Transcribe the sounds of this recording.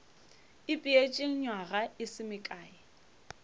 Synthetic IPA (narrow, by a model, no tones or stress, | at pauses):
ɪpʼɪet͡ʃʼɪŋ̩ɲwaɣaɪsɪmɪkʼaːɪ